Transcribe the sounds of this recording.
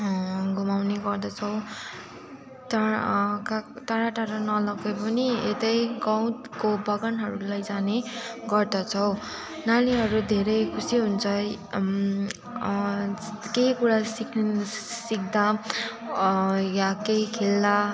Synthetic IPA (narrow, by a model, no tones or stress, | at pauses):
ɡʱumawneɡʌrd̪ʌt͡sʰʌw | t̪akat̪aɽaʈaɾʌnʌlʌɡepʌniet̪ʌjɡʌw̃t̪kobʌɡʌnɦʌɾulajd͡zaneɡʌrd̪ʌt͡sʰʌw | naliɦʌɾud̪ʱeɾʌjkʰusiɦunt͡sʰʌ | keikuɾasiksik̚d̪a | jakeikʰeld̪a